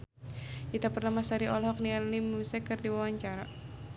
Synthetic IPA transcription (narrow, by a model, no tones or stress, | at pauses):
kit̪apərnamasaɾiʔɔlɦɔk̚nianimusɛkɨrdiwawaɲt͡ʃaɾa